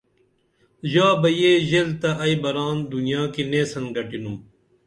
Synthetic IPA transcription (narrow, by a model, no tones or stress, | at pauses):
ʑaːbɐjeːʑelt̪ɐʔɐibɐɾaːnd̪unjaːkineːsɐnɡɐʈinum